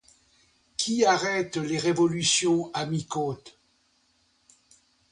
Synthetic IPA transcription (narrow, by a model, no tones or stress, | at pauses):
kʲʰiaʁɛt̪leʁevɔlysjɔ̃amikõt̪